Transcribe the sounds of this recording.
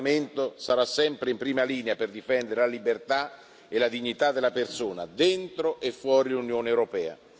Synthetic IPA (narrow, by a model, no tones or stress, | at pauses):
ment̪osaɾasːɛmpɾɪimpɾiːmaliːneaperd̪ifɛnd̪eɾelalibert̪a | elad̪iɲːit̪ad̪ːelːapersoːna̰d̪ɛnt̪ɾoʔefːwɔːɾilunjoːneɛwɾopɛːa̰